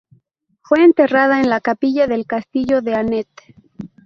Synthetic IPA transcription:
fwe̞ːnt̪e̞rað̞aenlakapiʝaðe̞lkast̪iʝo̞ðe̞anet̪

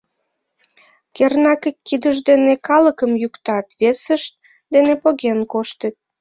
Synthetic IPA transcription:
kernɑkekːid̪əʒd̪enekɑləkəmjukt̪ɑt̪βesəʃt̪̚ | d̪enepoɣenkoʃt̪ət̪̚

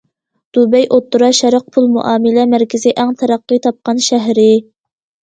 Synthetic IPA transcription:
d̪̥ubɛjʔot̪ːuɾɑʃæɾəq̚pʰulˠmṵʔɑːmɪlɛmæɾkʲɪzɪʔæŋt̪ʰɛɾɑqːɨt̪ʰɑp̚qɑnʃæɦɾɪ

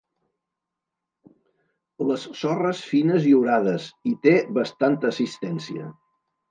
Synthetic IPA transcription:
ləsːɔrəsfinəziuɾaðəzit̪eβəst̪ant̪əːsist̪ɛnsiə̰

